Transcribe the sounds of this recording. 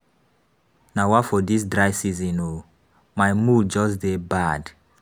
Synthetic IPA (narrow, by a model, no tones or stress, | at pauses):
nawɔfɔdis̬dɹaɪsizĩno | maɪmud͡ʒɔsdebad